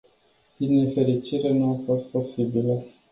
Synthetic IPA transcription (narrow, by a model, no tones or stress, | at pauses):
d̪inefe̞ɾit͡ʃiɾenuafo̞st̪̚po̞sibilə